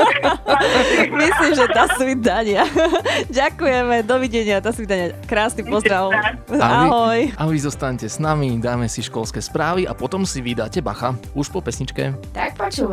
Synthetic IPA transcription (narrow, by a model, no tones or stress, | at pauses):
misliːmʒɛt̪asʋid̪aɲɪaɟakujɛmɛd̪ɔʋiɟɛɲɪat̪asʋid̪aɲɪakɾaːsnipɔzd̪ɾaʊ | aaiɦɔjaʋizɔst̪aɲcɛsnamid̪aːmɛsiʃkɔlskɛspɾaːʋiapɔt̪ɔmsiʋid̪aːcɛba̰xauʃpɔpɛsɲit͡ʃkɛ̰t̪ak̚pɔt͡ʃuː